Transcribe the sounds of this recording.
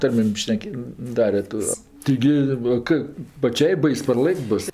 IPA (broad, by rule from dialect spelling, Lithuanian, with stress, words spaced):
ˈtɐrʲmʲeːm ˈʃʲnʲæːkʲeː ˈdɑːrʲɛ toː ˈtɐɪɡʲɪ ˈʋɐ kɜ pɐˈt͡ʃʲɛɪ ˈbɐɪs pɐrˈlˠɘkʲtʲ ˈbʊs